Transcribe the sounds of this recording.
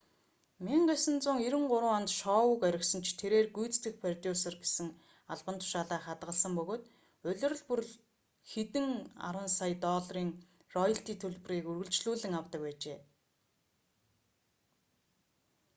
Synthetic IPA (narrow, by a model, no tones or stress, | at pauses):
miɴɢesə̆nt͡sʊːŋeɾɘ̆ŋɢʊɾə̆ːant̪ʃɔːwʊkæɾʲɪ̆ksə̆nt͡ɕʰt̪ʰeɾeːrɡujt͡st̪ɡɘ̆xpʰart̪usɔrɡesɘ̆ŋ | aɮpə̆nt̪ʰʊ̥ʃaːɮaːχat̪ɢə̆ɮsə̆mpɵɣoːt̪ | ɵɮɵ̆r̆ɮpɵ̆r | xet̪ɘ̆ŋa̰ɾwə̆nsajt̪ɔːɮriːŋ | rɔjə̆ɬt̪iːt̪ʰɵɮpɵ̆riːkurɣɵ̆ɮt͡ɕɮuːɮɘ̆ŋawt̪ə̆k̚pæːt͡ɕeː